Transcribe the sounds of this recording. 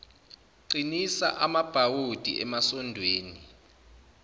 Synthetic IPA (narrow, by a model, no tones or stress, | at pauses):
ǀinisa̰ʔamab̥ʱawod̥ʱḭʔɛmasɔndʱweːni